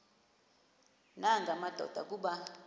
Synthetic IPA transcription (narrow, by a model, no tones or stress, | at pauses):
naŋɡamad̥ʱɔ̰d̥ʱa̰k̬ʼuɓa